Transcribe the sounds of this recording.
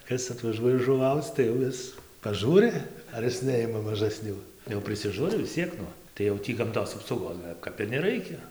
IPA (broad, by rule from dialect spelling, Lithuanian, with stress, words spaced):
ˈkɐs ɐtʋɐˈʒuɔjɛ ʒʊˈʋɐʊt͡s tɐɪ jɛʊ ˈɪs pɐˈʒuːrʲɪ ɐr ˈɪs ˈnʲɛɪmɐ mɐʒɐˈsʲnʲuː jɛʊ pʲrʲɪsʲɪˈʒuːrʲɪ ʋʲɪs ˈt͡sʲiɛk nʊ tɐɪ jɛʊ ˈtʲiː ɡɐmˈtoːs ɐpsɐʊˈɡoːs kɐp ɪr nʲɛˈrɐɪkʲɛ